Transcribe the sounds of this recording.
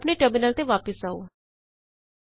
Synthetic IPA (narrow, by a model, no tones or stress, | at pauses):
pneʈəbɪnəlt̪eːʋaːpəsaːo̰ː